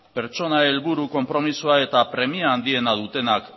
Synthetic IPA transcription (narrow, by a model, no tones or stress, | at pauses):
pe̞ɾt͡ʃo̞nae̞lβuɾuko̞mpɾo̞misuae̞t̪apɾe̞miaːnd̪ie̞nað̞ut̪e̞nak